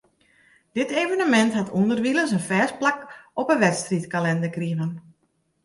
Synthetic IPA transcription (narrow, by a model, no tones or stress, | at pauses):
d̥ɪteːvənəmɛnthatʰundərʋiləns̬ənfɛːs̚plakɔpəʋɛtstritkalɛndəkriəvən